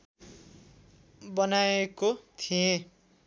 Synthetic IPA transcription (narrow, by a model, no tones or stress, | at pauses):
bʌnaekot̪ʰijẽ